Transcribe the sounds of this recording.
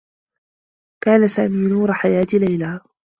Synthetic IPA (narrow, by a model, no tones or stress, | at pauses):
kaːnasaːmiːnuːɾˤɑħajaːt̪ilajlaː